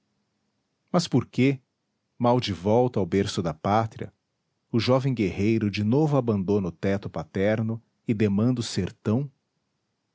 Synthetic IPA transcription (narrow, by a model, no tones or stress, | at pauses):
mɐspoɾke | mawd͡ʒɪvɔwt̪ɐawbeɾsʊd̪ɐpat̪ɾiɐ̰ | ʊʒɔvẽj̃ɡehejɾʊd͡ʒɪnovʊabɐ̃nd̪õnʊt̪ɛt̪ʊpat̪ɛɾnʊ | ɪd̪emɐ̃nd̪ʊseɾt̪ɐ̃w̃